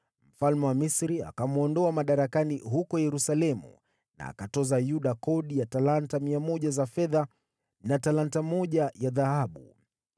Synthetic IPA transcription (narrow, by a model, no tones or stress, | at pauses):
m̩falmɛwamisɾia̰kamuɔndɔamaɗaɾakaniɦukɔjɛɾusalɛmṵ | na̰ːkatɔzajuɗakɔɗijatalantamiamɔʄazafɛða | natalantamɔʄajaðahaɓṵ